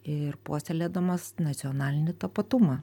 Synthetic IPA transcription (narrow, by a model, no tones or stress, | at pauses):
ɪrpoːsʲɛlʲeːd̪ɐmɐsnɐt̪sʲɪɔnɑːlʲɪnʲɪt̪ɐpɐt̪ʊmɑ